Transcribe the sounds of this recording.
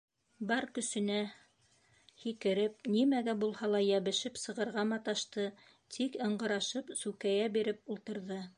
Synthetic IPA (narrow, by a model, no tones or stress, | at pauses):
bɑɾkɵ̆sɵ̆næ | hikɘ̆ɾɘp̚nimæɡæbulˠhɑlˠɑjæβɘ̆ʃɘpsɤ̆ʁɤ̆ɾʁɑmɑt̪ɑʃt̪ɤ | t̪ʰikɤ̆ɴɢɤ̆ɾɑʃɤpsʉkæjæbiɾɘpulˠt̪ɤ̆ɾðɤ